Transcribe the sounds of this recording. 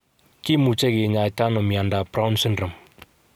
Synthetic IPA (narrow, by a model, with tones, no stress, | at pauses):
ki˦mu˨t͡ʃɛ˦ke˨ɲa˨jta˦nɔ˨mi˨a˨nda˨bɾa˦wnsɛ˦ndɾə˨m